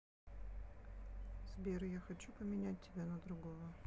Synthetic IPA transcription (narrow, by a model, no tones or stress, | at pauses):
z̥bʲeɾjaxɐt͡ɕupəmʲɪnʲæt̚ʲtʲːɪbʲanəd̪ɾʊɡovə